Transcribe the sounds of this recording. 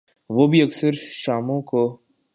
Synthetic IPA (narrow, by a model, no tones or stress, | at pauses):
ʋoːbʱiɐksəɾʃaːmõko